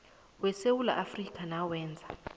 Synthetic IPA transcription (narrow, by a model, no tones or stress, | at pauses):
wɛsewula̰ʔafrikʰʼanawɛːnd͡zʱa